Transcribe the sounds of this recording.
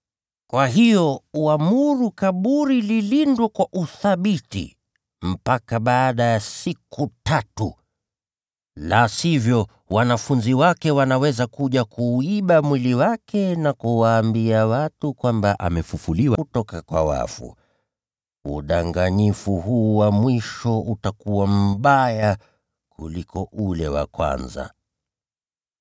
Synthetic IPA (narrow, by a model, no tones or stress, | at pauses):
kwaɦijɔuamuɾukaɓuɾililindwɛkwaʔuθaɓitḭ | m̩pakaɓaːɗajasikutatu | lasivjɔ | wanafunziwakɛwanawɛzakuʄakʰuːiɓamwiliwakɛnakuwaːmbiawatukwambaʔa̰mɛfufuliwatɔkakwawa̰fṵ | uɗaŋɡaɲifuɦuːwamwiʃɔutakuwam̩ɓaja | kʰulikɔʔulɛwa̰kwa̰nza̰